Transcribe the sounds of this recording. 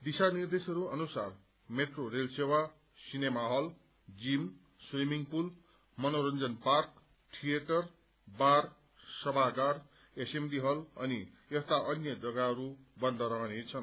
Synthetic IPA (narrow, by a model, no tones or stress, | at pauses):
d̪isanird̪esʌɾuʌnusar | meʈrorelsewa | sinemaɦʌl | d͡zim | swimiŋpul | mʌnoɾʌnd͡zʌnpark | ʈʰijeʈʌr | bar | sʌbʱaɡar | esemdiɦʌlʌni | ʌst̪aʔʌnjʌd͡zʌɡaɦʌɾubʌnd̪ʱʌɾʌɦʌnet͡sʰʌn